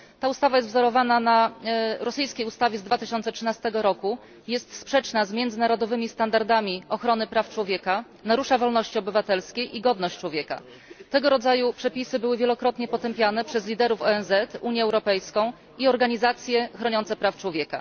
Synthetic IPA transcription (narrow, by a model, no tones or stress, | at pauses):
t̪aust̪avajɛst̪vzɔɾɔvananaɾɔsɘjskʲejust̪avʲjɛzd̪vat̪ɘɕɔnt̪sɛtʂɘnast̪ɛɡɔɾɔku | jɛst̪spʂɛt͡ʂnazmʲjɛnd̪zɘnaɾɔd̪ɔvɘmʲist̪and̪aɾd̪amʲiɔxɾɔnɘpɾaft͡ʂwɔvʲjɛka | naɾuʂavɔlnɔɕt͡ɕiɔbɘvat̪ɛlskʲejʔiɡɔd̪nɔɕt͡ɕt͡ʂwɔvʲjɛka̰ | t̪ɛɡɔɾɔd̪zajupʂɛpʲisɘbɘwɘvʲjɛlɔkɾɔt̪ɲɛpɔt̪ɛmpʲjanɛpʂɛzlʲid̪ɛɾufɔɛnzɛt̪uɲjɛːwɾɔpɛjskɔ̃w̃ | iɔɾɡaɲizat̪sʲjɛxɾɔɲɔnsɛpɾaft͡ʂwɔvʲjɛka̰